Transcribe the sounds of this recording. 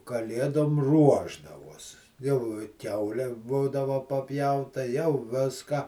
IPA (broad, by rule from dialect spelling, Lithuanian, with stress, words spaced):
kɐˈlʲeːdoːm ˈruɔʒdɐʋoːs jɛʊ ɪ ˈkʲɛʊlʲɛ ˈbuːdɐʋɐ pɐˈpʲjɛʊtɐ jɛʊ ˈʋʲɪskɑː